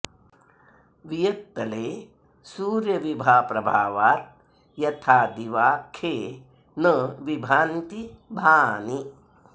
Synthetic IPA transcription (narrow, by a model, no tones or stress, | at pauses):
ʋijɐt̪ːɐleː | suːɾjɐʋibʱaːpɾɐbʱaːʋaːt̪̚ | jɐt̪ʰaːd̪iʋaːkʰeː | nɐʋibʱaːnt̪ibʱaːni